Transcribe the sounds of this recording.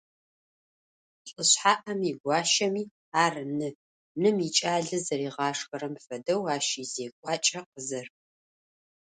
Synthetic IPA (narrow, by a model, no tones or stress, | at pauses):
ɬʼəɕħaːʔɐmiɡʷɑːʃɐmiː | aːrɨnɨ | nɨmit͡ʃʼaːɮɨzɐɾiːʁɑːʂxɐɾɐmfɐdɐwaːʃiːzeːkʷʼɑːt͡ʃʼɐqəzɐr